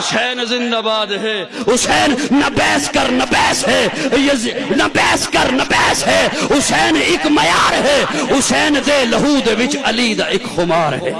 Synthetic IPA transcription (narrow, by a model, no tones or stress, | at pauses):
ʊsɛːnzɪ̃nd̪aːbaːd̪ɦeː | ʊsɛːnːɐbɛːskɐɾnɐbɛːsɦeːjɐnɐbɛːskɐɾnɐbɛːsɦeːʊseːnɪkmɐjaːɾɦeːɦʊseːnd̪eːlɐɦuːd̪eʋɪt͡ʃɐliːd̪aːɪkhʊmaːɾɦɛː